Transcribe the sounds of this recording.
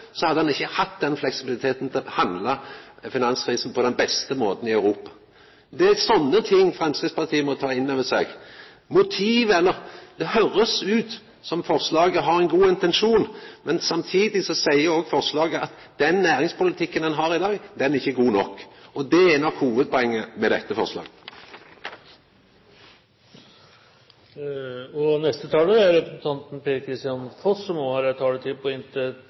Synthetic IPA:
sɔhɑd̪ːəhɑnɪçːəhɑt̪ːd̪ɛnflɛksɪbɪlɪt̪ʰeːt̪n̩t̪ʰɪlhɑnd̪lɑfɪnɑnskʰɾiːsn̩pʰɔd̪ɛnbɛst̪əmoːt̪n̩ɪœʉɾuːpɑ̥ | d̪ɛsɔnːət̪ʰɪŋːfɾɛmskɪspɑʁt̪ʰiːəmɔt̪ʰɑːɪnːɑʋɛsḛɡ | mʊt̪ʰiːʋɛlːəɾd̪̥ɛhøɾəsʉːt̪ | sɔmfɔʁslɑːɡəɦɑɾɛɪnɡuːɪnt̪ɛnʂuːnmɛnsɑmt̪ʰiːd̪ɪsɔsæɪəɾɔɡfɔʁslɑːɡəɑt̪ | d̪̥ɛnːæːɾɪŋspʊlɪt̪ʰɪkːənɛnɦɑɾɪd̪ɑːɡd̪ɛnɪçːəɡuːnɔkːɔd̪ɛɛnɑkʰhuːʋəd̪̚pʰɔɛŋːəmɛd̪ɛt̪ːəfɔ̰ʁslɑ̰ːɡ | ɔnɛst̪ət̪ʰɑːləæɾɾɛpɾəsn̩t̪ʰɑnt̪n̩peːɾkʰɾɪst̪ɪɑnfɔsːɔmohɑɾt̪ʰɑːɖɛt̪ʰɪd̪pʰɔɪnt̪ə

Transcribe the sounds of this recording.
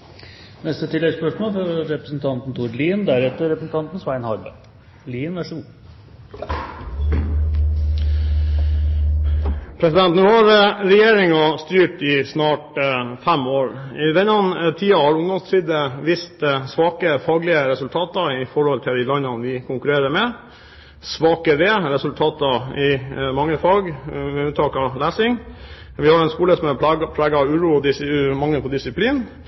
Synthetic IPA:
nɛst̪ət̪ʰɪlːɛɡspœʂmoːlfɔɾɛpɾəsn̩t̪ʰɑnt̪n̩t̪ʰuːɖliːnd̪æɾɛt̪ːəɾɛpɾəsn̩t̪ʰɑnt̪n̩sʋæɪnhɑɾbə̰ | liːnæʂuː | pʰɾɛsɪd̪ɛnt̪nuːhɑɾəɾɛjeːɾɪŋɑst̪yːʈɪsnɑːʈfæmoːɾɪd̪ɛnɑnt̪ʰiːɑhɑɾʊŋd̪ɔmsiːd̪əʋɪst̪sʋɑːkəfɑːɡlɪəɾɛsʉlt̪ʰɑːt̪ɑɪfɔɾhɔlt̪ʰɪld̪ɪlɑɲːɑnʋɪkʰʊŋkʉɾeːɾəmɛ | sʋɑːkəɾɛɾɛsʉlt̪ʰɑːt̪ɑɪmɑŋːəfɑːɡmɛʉːt̪ʰɑːkɑlæːsɪŋ | ʋɪhɑɾɛnskuːləsɔmæpʰlæːɡɑʉːɾuːɔd̪ɪsmɑŋːəpʰɔd̪ɪsɪpʰliːn

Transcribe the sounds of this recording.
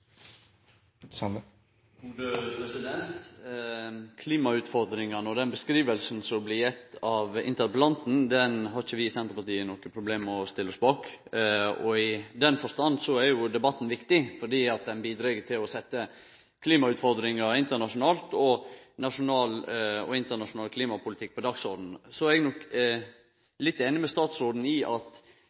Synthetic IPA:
sɑn | ɡuːd̪əpʰɾɛsɪd̪ɛntt̪ | kʰliːmɑʉːt̪fɔɾd̪ɾɪŋɑnɔd̪ɛnbəskɾiːʋəlsn̩sɔblɪjɛt̪ːɑʋɪ̰nt̪əɾplɑnt̪n̩d̪ɛnɦɑɾɪçəʋɪsɛnt̪əɾpɑt̪iːənɔkəpʰɾʊbleːmɔst̪ɪlːɔsbɑːk | ɔɪd̪ɛnfɔɾʂt̪ɑnːsɔæɾjʊd̪ɛbɑt̪ːn̩ʋɪkt̪ɪfɔɖiːɑt̪̚d̪ɛnbiːd̪ɾɛɡət̪ʰɪlɔsɛt̪ːə | kʰliːmɑʉːt̪fɔɾd̪ɾɪŋəɪnt̪əɳɑʂʊnɑːlt̪ɔnɑʂʊnɑːlɔ̰ɪnt̪əɳɑʂʊnɑːlkʰliːmɑpʰʊlɪt̪ʰɪk̚ːpɔd̪ɑːɡsɔɾd̪n̩sɔæɾɛɡnɔk | lɪt̪ːeːnɪmɛst̪ɑːt̪sɾoːd̪n̩ɪʔɑt̪

